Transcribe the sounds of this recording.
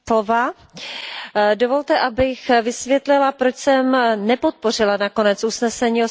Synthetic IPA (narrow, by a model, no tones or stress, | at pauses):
ova | dovo̞lt̪ɛʔabɪxvɪsvjɛt̪lɪlapɾot͡ʃsɛmnɛpo̞t̪̚po̞r̝ɪlanako̞nɛt͡susnɛsɛɲiːo